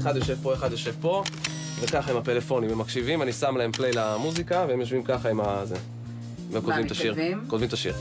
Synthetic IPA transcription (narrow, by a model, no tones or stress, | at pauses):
eχad̪jo̞ʃe̞vpo̞eχad̪jo̞ʃe̞vpo̞ | vekaχaimapelefo̞nimemːakʃivimanisamlahe̞mplejlamuzikaveemjoʃvimkaχaimaze | memkod̪vimt̪aʃiʁkod̪vimt̪aʃiʁ